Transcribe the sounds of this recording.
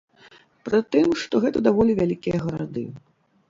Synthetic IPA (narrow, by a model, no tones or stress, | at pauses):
pɾɨt̪ɨmʂt̪ɔɣɛt̪ɐd̪avɔlʲivʲalʲikʲijɐɣɐɾad̪ɨ̰